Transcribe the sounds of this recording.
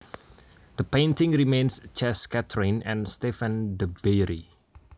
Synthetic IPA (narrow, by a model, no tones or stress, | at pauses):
d̪̥əpẽntɪ̃ŋɹimẽnst͡ʃɛskɛtʰɹĩnɛ̃nst̪ɛfə̃ndəbeɾi